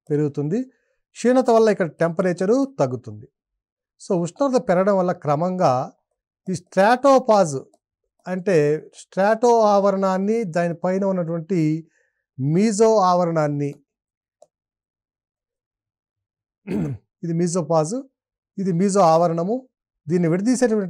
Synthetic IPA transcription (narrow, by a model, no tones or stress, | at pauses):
pe̞ɾuɡut̪und̪i | ʂiːnɐt̪ɐʋɐlːɐikːɐɽɐʈempɐɾeːt͡ʃɐɾut̪ɐɡːut̪und̪i | so̞ːusnɐɾd̪ɐpɛɾɐɽɐmʋɐlːɐkɾɐmɐŋɡaː | isʈɾaːʈoːpaːzu | ɐɳʈe̞ːsʈɾaːʈoːaːʋɐɾɐɳaːnːid̪aːnipɐjnɐunːɐʈ̬uʋɐɳʈi | miːzoːaːʋɐɾɐɳaːnːi | id̪imiːzoːpaːzu | id̪imiːzoːaːʋɐɾɐɳɐmu | d̪iːnːiʋiɽɐd̪iːseːʈuʋɐɳʈ